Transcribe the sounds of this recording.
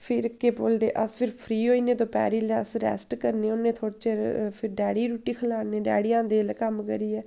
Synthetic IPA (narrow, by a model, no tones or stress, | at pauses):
pʰɪɾəkːeːboːld̪ḛːʔəspʰɪɾpʰɾiːɦoːiːneːt̪õːpɛ̰ːɾiːlɛəsɾɛ̰ːsʈkəɾnẽːʊnẽːt̪ʰoːɽt͡ʃepʰɪɾɖɛːɽiːɾuːʈiːkʰəlaːneːɖɛːɽijãːd̪eːlkəmkə̰ɾiːɛː